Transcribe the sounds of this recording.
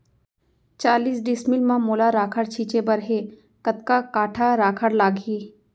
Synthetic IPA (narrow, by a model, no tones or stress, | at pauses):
t͡ʃaːliːsɖɪsmɪlmãmoːlaɾaːkʰəɽt͡ʃʰiːt͡ʃebəɾɦeː | kət̪kakaːʈʰaɾaːkʰəɽlaːɡɦiː